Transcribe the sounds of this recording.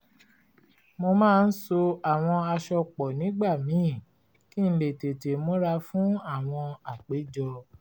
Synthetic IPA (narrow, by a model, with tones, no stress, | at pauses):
mo˧mãː˦˧n̩˦so˧a˦˨w̃ɔ̃˧a˧ʃɔ˧k͡pɔ˨nĩ˨˦ɡ͡ba˦˨mĩː˨˦˨ | ki˦n̩˦le˨te˨te˨mõ˨˦ɾa˧fũ˨˦a˦˨w̃ɔ̃˧a˨k͡pe˨˦d͡ʒɔ˧